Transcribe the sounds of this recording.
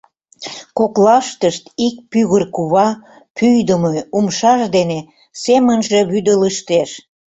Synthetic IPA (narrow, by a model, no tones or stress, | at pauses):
koklɑʃt̪əʃt̪ik̚pyɣərkuβɑ | pʰyjd̪əmoumʃɑʃd̪ene | semənʒeβyd̪ələʃt̪eʃ